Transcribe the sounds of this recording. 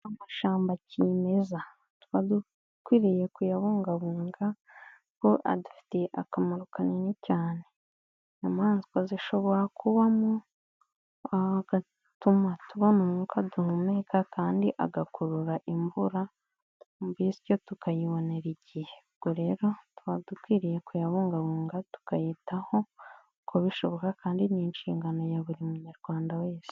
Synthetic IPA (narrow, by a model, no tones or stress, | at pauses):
amaʃaːmbacime̞za | tuβadu | kwiːɾije̞kujaβuːŋɡaβuːŋɡa | koʔa̰dufi̥teʔakamaɾukanenicaːne̞ | namaːnzikwaziʃo̞βo̞ɾakʰuβamo | aɡa | tumatuβonomuːkaduhumekakaːndiʔa̰ɡakuɾuɾaʔimbuɾa | mubizi̥co̞tukajiβo̞ne̞ɾiɟihe̞bɡ̥oɾe̞ːɾo̞twadukwiːɾije̞kujaβuːŋɡaβuːŋɡatu̥kajitaho̞ | kʰoβiʃoβo̞kakaːndininʃiːŋɡano̞jaβuɾimuɲaɾɡ̥waːndaweːsi̥